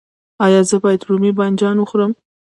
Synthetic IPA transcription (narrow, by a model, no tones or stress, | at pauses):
ɑjɑzəbɑjad̪ɾumiband͡ʒɑnwəxɾəm